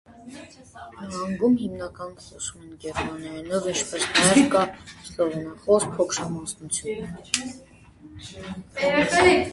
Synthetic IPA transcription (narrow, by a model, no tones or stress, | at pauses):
nɑŋɡumhimnɑkɑnχɔsumɛnkɛɾmɑnjɑɛnɔvənt͡ʃʰpɛsnjɛvkɑsɔvɔnɑχɔɾpʰɔkʰɾɑmɑsnut͡sʰjun